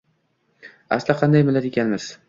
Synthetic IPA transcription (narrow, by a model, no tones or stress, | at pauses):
a̰slɪqʰɑnd̪ajmɪlaɾekʲʰanmɪz̥